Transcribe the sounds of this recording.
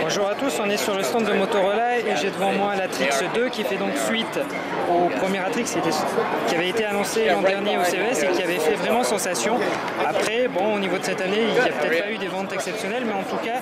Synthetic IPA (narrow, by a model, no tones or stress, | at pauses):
bɔ̃ʒuʁat̪usɔ̃nɛsyʁləst̪ɑ̃t̪d̪əmot̪oʁɔlaeʒed̪əvɑ̃mwɛ̃lat̪χiksd̪økʲifɛd̪ɔ̃ksɥit̪ | opχəmjɛʁat̪χikskʲet̪ɛkʲiavɛet̪eanɔ̃selɑ̃d̪ɛʁnjeoseøɛsekʲiavɛfɛvʁɛmɑ̃sɑ̃sasjɔ̃ | apχɛbɔ̃onivod̪əsɛt̪aneiljapət̪ɛt̪payd̪evɑ̃t̪ɛksɛpsjɔnɛlmɛɑ̃t̪uka